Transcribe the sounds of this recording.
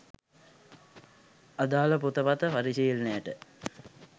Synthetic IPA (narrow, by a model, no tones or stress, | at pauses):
ad̪aːləput̪əpat̪əfaɾisiilnejəʈə